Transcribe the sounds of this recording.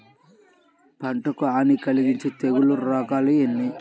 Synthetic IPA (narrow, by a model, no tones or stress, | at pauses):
pɐɳʈɐkuaːnikɐliɡiɲt͡ʃit̪eɡuluɾɔːkaːluenːi